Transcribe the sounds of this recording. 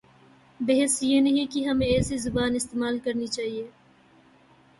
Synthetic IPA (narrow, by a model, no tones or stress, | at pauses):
bɐɦesjenɐɦĩkiɦɐmẽɛːsizʊbaːnɪst̪eːmaːlkɐɾnit͡ʃaːɦieː